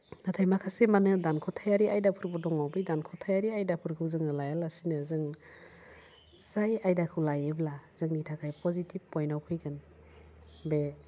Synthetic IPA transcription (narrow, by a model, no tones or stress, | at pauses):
natʰajmakʰasemanɯdankʰɔtʰajaɾiajdapʰɯɾbɔdɔŋawbijdankʰɔtʰajaɾiajdapʰɯɾkʰɯwzɯŋnɯlajalasinɯzɯŋ | zajajdakʰɯwlajeblazɯŋnitʰakʰajpɔzitʰib̚pːɔjnawkʰɯjɡɯn | be